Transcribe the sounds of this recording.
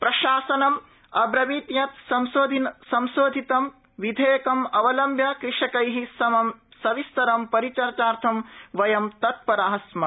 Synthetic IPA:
pɾɐʃaːsɐnɐm | ɐbɾɐʋiːt̪jɐt̪sɐmsoːd̪ʱinsɐmsoːd̪ʱit̪ɐm | ʋid̪ʱeːkɐmɐʋɐlɐmbʱjɐkɾɪʂɐkɐjɦisɐɐsɐʋist̪ɐɾɐmpɐɾit͡ʃɐɾt͡ʃaːɾt̪ʰɐmʋɐjɐmt̪ɐt̪̚pɐɾaːɦɐsmɐ

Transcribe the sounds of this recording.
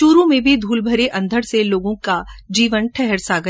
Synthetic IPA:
ʃuːɾõmẽbʱid̪ʱuːlbʱəɾeʔɐ̃nd̪ʱəɽseloːɡõkad͡ʒiːʋənʈʰɛɦɛɾsaːɡə

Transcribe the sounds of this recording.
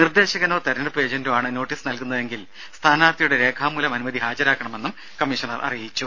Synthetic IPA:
nird̪e̞ːɕɐɣɐnoːt̪ɐɾɐnɐɽɐpe̞ːd͡ʑɐndumaːɳɨno̞ːʈːiːsnɐlkunːɐðe̞ŋɡil | st̪ʰaːnaːrt̪ɐjuɽe̞ɾe̞ːkʰaːmːulɐmɐnumɐðiɦaːd͡ʑɐɾaːkːɐɳɐme̞nːum | kɐmːiʂɐnɐrʔɐ̰rijit͡ɕːu

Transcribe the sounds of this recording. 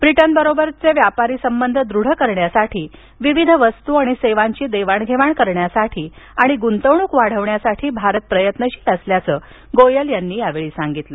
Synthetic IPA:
bɾiʈənbəɾobəɾt͡seʋjapaɾiːsəmbənd̪ʱəd̪ɾuɽ̤əkəɾɳjasaʈʰiː | ʋiʋid̪ʱəʋəst̪uaɽ̃iseʋaɲt͡ɕiːd̪eʋaɳɡʱeʋaɳkəɾɳjasaʈʰiːaɽ̃iɡunt̪əʋɳ̃uːkʋaɽ̤əʋɳjasaʈʰiːbʱaɾət̪̚pɾəjət̪nəɕiːt̪əsljat͡səː | ɡojəljanːiːjaʋeɭiːsaŋɡit̪lə

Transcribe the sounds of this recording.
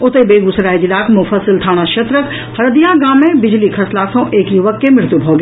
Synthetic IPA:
ʊt̪ebeːɡʊsɾaːid͡ʒɪlaːkmʊ̃fəsɪlt̪ʰaːɽ̃aʃɐt̪ɾək | hɐɾd̪ijãɡaːmːẽbɪd͡ʒlikʰɐslaːsõʔeːkjuʋəkːemɪɾt̪ubʱoːɡe

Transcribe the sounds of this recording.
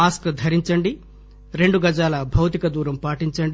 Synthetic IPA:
aːskd̪ʱɐɾiɲt͡ʃɐɳɖi | ɾe̞ɳɖuɡɐd͡ʒaːlɐbʱɐwt̪ikɐd̪uːɾɐmpaːʈiɲt͡ʃɐɳɖi

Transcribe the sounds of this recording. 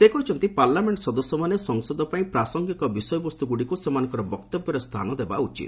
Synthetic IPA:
sekɔɦit͡ʃʰɔnt̪ipaɾlameɳʈsɔd̪ɔsɔmanesɔŋsɔd̪ɔpaĩpɾasɔŋɡikɔbisɔjɔbɔst̪uɡuɽikusemanɔ̃ŋkɔɾɔbɔkt̪ɔbjɔɾest̪ʰa̰nɔd̪eba̰ut͡ʃḭt̪

